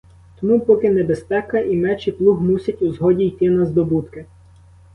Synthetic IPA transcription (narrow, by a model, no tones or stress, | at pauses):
t̪ɔmupɔkɪnɛbespɛkɐʔimɛt͡ʃiplˠuɦmusʲɐtʲuzɦɔdʲijt̪ɪnɐzd̪ɔbut̪kɪ